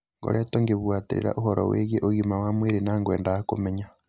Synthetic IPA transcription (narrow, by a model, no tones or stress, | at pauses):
ŋɡo̰ɾʔetoŋɡeβwaːtiɾḭɾa̰ʔuhoɾo̰weːɣjeʔoɣimawamweːɾinaːŋɡwḛːndahakumeɲa